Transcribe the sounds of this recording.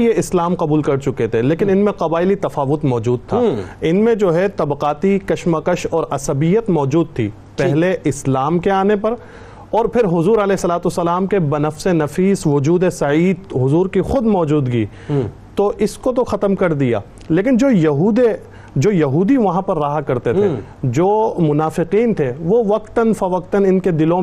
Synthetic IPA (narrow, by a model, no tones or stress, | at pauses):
jeɪslaːmqɐbuːlkɐɾt͡ʃʊket̪ʰeleːkɪnɪnmẽqɐbaːɪlit̪ɐfaːʋʊt̪mɔːd͡ʒuːd̪̚t̪ʰaːɪnmẽd͡ʒoːɦɛt̪ɐbqaːt̪ikɐʃmakəʃɔːɾɐsɐbijət̪mɔːd͡ʒuːd̪̚t̪ʰḭː | pɛɦleʔɪslaːmkeaːnepɐɾ | ɔːɾpʰɪɾɦʊzuːɾɐlɛːsɐlaːt̪ʊsɐlaːmkebɐnɐfsenɐfiːsʋʊd͡ʒuːd̪esɐiːd̪ɦʊzuːɾkixʊd̪mɔːd͡ʒuːd̪ɡḭː | t̪oʔɪskot̪oxɐt̪əmkɐɾd̪ija̰ː | leːk̬ɪnd͡ʒoːjɐɦuːd̪e | d͡ʒoːjɐɦuːd̪iʋɐɦãpɐɾːaːɦakɐɾt̪et̪ʰed͡ʒoːmʊnaːfɪqiːnt̪ʰeʋoʋɐk̚t̪ənfɐʋɐkt̪ənɪnked̪ɪlõ